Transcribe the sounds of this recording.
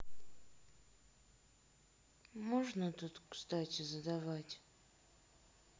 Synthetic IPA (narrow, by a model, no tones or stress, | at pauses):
moʐnət̪ut̪kst̪atʲɪzəd̪avatʲ